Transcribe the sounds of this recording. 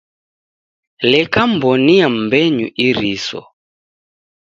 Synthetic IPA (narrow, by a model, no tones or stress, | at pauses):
lɛkam̩bɔniam̩bɛɲuʔiɾisɔ̰